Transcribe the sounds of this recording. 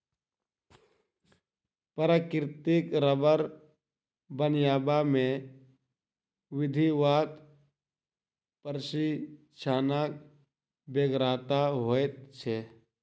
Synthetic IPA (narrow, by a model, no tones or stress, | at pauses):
pəɾaːkɾɪt̪ɪkɾəbəɾ | bənjaːbamẽ | ʋɪd̪ʱiʋaːt̪ | pəɾʃi | t͡ʃʰaːnak | beːɡɾaːt̪aɦoːet̪̚t͡ʃʰeː